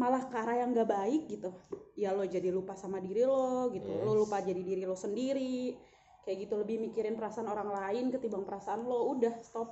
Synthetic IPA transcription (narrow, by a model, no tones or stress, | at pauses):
malahkaɾajaŋɡaʔbaɪk̚ɡit̪ujalod͡ʒadilupasamadiɾilɔɡit̪ulolupad͡ʒadidiɾilosəndiɾi | kajaʔɡit̪uləbɪhmikiɾɪnpəɾasaanoɾaŋlaɪnkət̪ibaŋpəɾasaːnloudahst̪ɔp̚